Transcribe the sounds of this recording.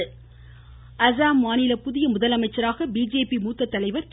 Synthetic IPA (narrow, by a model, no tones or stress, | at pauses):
ʔɐzaːmːaːnɪlɐpʊðɪjɐmʊðɐlɐmɐɪt͡ʃːɐɾaːɣɐbiːd͡ʒeːpimuːt̪ːɐt̪ːɐlɐɪʋɐɾt̪